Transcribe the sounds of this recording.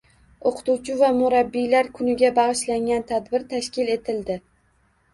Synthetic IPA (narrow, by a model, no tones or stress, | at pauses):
oqʰɨ̥t̪uwt͡ʃʰɪvamʊɾabːijlaɾkʰʊnɪɡʲabɑʁɨʃlaŋɡʲant̪ʰad̪bɪɾt̪ʰaʃkʲɪle̞t̪ʰɪld̪ɪ